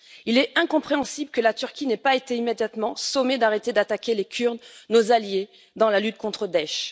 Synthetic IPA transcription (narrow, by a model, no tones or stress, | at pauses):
ilɛɛ̃kɔ̃pχeɑ̃sibləkəlat̪yʁkʲinɛpaet̪eimed̪jat̪mɑ̃somed̪aʁet̪ed̪at̪akʲelekʲʰyʁnnːozalje | d̪ɑ̃lalyt̪kɔ̃t̪χəd̪ɛʃ